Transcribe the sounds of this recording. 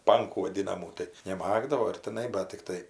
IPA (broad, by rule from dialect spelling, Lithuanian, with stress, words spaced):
ˈpɐŋkuː ʋɐˈdʲɪnɐmuː tɐɪ nʲɛˈmɑːɡdɐʋoː ɪr tʲɪˈnɐɪ bɐt tʲɪkˈtɐɪ